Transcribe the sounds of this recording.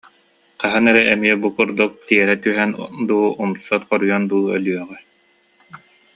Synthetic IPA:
qɑɦɯnɛɾɛɛmiɛbukuɾd̪uk̚t̪iɛɾɛt̪yɦɛnd̪uːumsɔt̪χɔɾujɔnd̪uːœ̰lyœʁɛ

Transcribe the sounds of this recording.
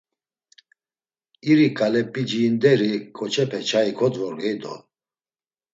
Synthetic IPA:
iɾikʼalɛpʼid͡ʒiːnd̪ɛɾikʰʼɔt͡ʃʰɛpʰɛt͡ʃʰaikʰɔd̪vɔlɛd̪ɔ̰

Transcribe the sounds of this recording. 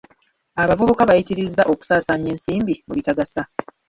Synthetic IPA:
aβavuβukaβajitiɾizːaʔo̞ku̥saːsaːɲe̞ːnsiːmbimuβitaɡasa

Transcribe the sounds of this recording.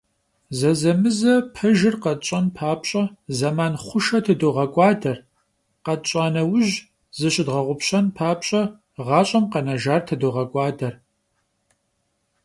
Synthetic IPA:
zɐzɐmɨzɐpʰɐʒɪrqɐt͡ʃʼɐnpʰaːpɕʼɐzɐmaːnχʷʊʃɐtʰɐdowʁɐkʷʼɑːdɐr | qɐt͡ʃʼaːnɐwʊʒ | zɨɕʼɪdʁɐʁʷʊpɕʼɐnpʰaːpɕʼɐ | ʁɑːɕʼɐmqɐnɐʒaːrtʰɐdowʁɐkʷʼɑːdɐr

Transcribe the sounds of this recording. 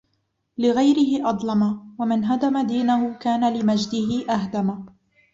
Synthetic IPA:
lɪɣajɾɪhɪʔɑd̪ˤlɑmawamɪnɦad̪amad̪iːnaɦʊkaːnalɪmad͡ʒd̪ɪɦɪʔaɦd̪ama

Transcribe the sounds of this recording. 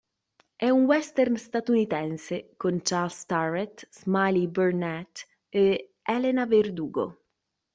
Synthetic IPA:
ɛuŋwɛst̪ɛrnst̪at̪unit̪ɛnsekont͡ʃaɾlst̪aret̪zmalibernɛt̪ | e | ɛlenaverd̪uːɡo̰

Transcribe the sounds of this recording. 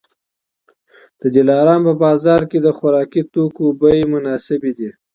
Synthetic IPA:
d̪̥əd̪ɪlɑɾɑnpəbɑzɑɾked̪əxʊɾɑkit̪okobəjemʊnɑsɪbid̪i

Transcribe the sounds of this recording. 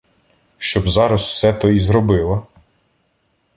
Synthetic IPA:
ʃt͡ʃɔbzɑɾɐswsɛt̪ɔizɾɔbɪlˠɐ

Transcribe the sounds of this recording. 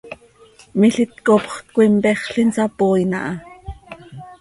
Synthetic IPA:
miɬit̪kopχt̪̚kʷimpɛχɬinsɑpoːinɑ̰ʔɑ

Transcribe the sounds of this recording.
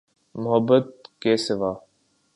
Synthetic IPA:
mʊɦəbːət̪̚keːsɪʋaː

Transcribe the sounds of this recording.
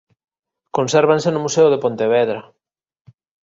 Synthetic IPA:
konsɛɾβãnsenʊmuseʊðepont̪eβɛðɾɐ

